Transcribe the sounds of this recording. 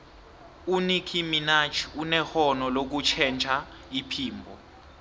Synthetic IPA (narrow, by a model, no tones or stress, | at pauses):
unikʰiminat͡ʃʰi̥unɛxɔnɔlok̬ut͡ʃʰɛnt͡ʃʰʼa | ipʰiːmbʱɔ